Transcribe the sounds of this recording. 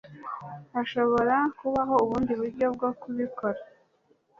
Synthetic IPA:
aʃo̞βo̞ɾakuβaɦo̞uβuːndiβuɾɟo̞b̚ɡo̞kuβikʰo̞ɾa

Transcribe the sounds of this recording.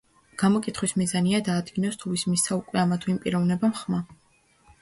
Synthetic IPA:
ɡ̥amɔkʼit̪χwismizaniad̪aːd̪ɡinɔst̪ʰuvismisʰaukʼwɛamat̪ʰuimpʼiɾɔvnɛbamχma

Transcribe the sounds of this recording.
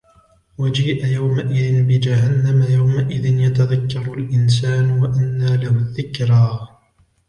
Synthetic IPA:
wad͡ʒiːʔajawmaʔɪðɪnbɪd͡ʒaɦanːamajawmaʔɪðɪnjat̪aðakːɑɾˤalʔɪns̬aːnwaʔanːaːlahʊðːɪkɾaː

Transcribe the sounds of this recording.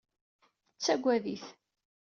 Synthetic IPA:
θət͡sːæɡʷæðiθ

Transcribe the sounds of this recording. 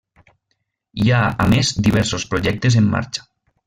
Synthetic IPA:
iaamezd̪iβ̞ɛɾsospɾoʒɛk̚t̪ezemːa̰ɾt͡ʃḁ

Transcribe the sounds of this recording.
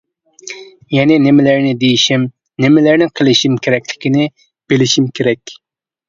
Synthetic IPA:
jɛnɪnɪmɪlɪɾnɪd̪ejiʃim | nɪmɪlæɾnɪqʰəlˠɪʃimkʲʰeɾɛkʲlɪkʲinɪ | b̥elɪʃimkʲʰeɾɛkʲ

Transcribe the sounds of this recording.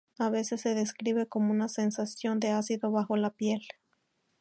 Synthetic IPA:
aβe̞se̞sːe̞ðe̞skɾiβe̞ko̞mo̞unase̞nsasjo̞nd̪e̞asiðo̞βaxo̞lapje̞l

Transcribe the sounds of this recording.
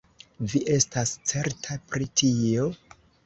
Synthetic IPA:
viʔe̞stast͡se̞ɾtʰapɾitʰio̞

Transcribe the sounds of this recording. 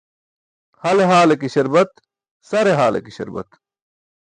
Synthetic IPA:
hɐleɦaːlekiɕɐɾbɐt̪ | sɐɾeɦaːlḛkiɕɐ̰ɾbɐ̰t̪

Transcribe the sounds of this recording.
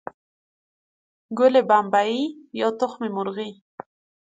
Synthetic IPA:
ɡʊlebambaijɑt̪ʊxmemʊɾɣi

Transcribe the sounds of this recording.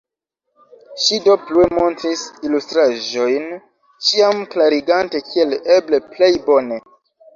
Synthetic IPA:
ʃido̞pluemo̞ntɾisilustɾaʒo̞jn | t͡ʃiamklaɾiɡante̞kʰie̞leble̞ple̞jbo̞ne

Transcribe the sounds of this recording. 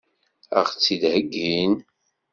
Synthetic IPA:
ə̰ʁt͡sːid̪həɡːin

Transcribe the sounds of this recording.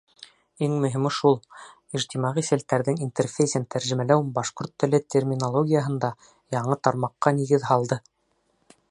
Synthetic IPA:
iŋmɵ̆ɦimʃulˠ | iʒt̪ʲimɑʁisælt̪æɾðɘŋint̪erfʲejsʲənt̪ʰæɾʒɘ̆mælæwbɑʃqoɾt̪ːɘ̆lɘt̪ʲʰermʲinolˠoɡʲijəɦɤ̆nd̪ɑ | jɑɴɤt̪ɑɾmɑqːɑniɣɘðɦɑlˠd̪ɤ

